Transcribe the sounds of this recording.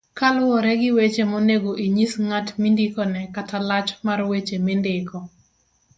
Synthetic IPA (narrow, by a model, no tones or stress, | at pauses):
kalʊɔɾɛɡɪwet͡ʃemoneɡoʔiɲisŋatmindikɔnɛkatalat͡ʃmarwet͡ʃemɪndɪkɔ